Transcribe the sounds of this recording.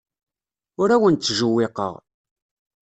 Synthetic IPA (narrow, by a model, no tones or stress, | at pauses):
ʊɾæwənt͡s̪ːʒuwːɪqə̰ʁ